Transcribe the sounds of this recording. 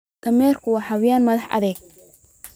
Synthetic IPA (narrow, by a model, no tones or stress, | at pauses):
kʰɐmɛːrkʰʊwɑːħɑwɪjaːnmɐðɑħɐ̰ðɛːɡ̚